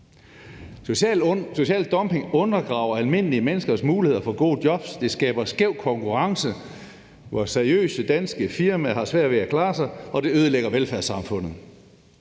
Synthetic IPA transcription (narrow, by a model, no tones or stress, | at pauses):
so̝ɕɛ̰ːld̥ɒ̽mpʰe̝ŋɔ̽nɐɡ̥ʁɑ̈ːʊ̰ɐælme̝n̰əliəmenəsɡ̥ɐsmuːlihe̝ð̰ˠɐfɒ̽ɡ̥o̝̰ːdjɒ̽b̥sd̥e̝sɡ̥ɛ̰ːb̥ɐsɡ̥eʊ̰kʰɒ̽ŋkʰuʁɑ̈ŋsə | ʋɒseɐiø̰ːsəd̥ænsɡ̥əfiɐmæɦɑ̈sʋæɐ̰dʋe̝ækʰlɑ̈ːsɑ̈ɪɒ̽d̥e̝øð̞ˠəleɡ̥ɐʋelfæɐsɑ̈mfɔ̽n̰ð̩ˠ